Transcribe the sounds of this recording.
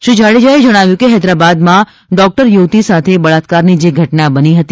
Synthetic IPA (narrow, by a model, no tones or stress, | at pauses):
ʃũd͡ʒʱaɽid͡ʒaed͡ʒəɽ̃aʋjũkeɦɛd̪ɾabad̪mã | ɖɔk̚ʈəɾjuʋt̪isat̪ʰebəɭat̪kaɾnid͡ʒeɡʱəʈnabəniɦət̪i